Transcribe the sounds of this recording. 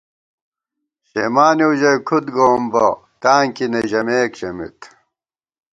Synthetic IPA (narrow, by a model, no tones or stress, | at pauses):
ɕḛmaːneuʑɐjkʰut̪ɡoːmbɐ̰ | t̪aːŋkinɐʑɐmeːkɕɐmḭt̪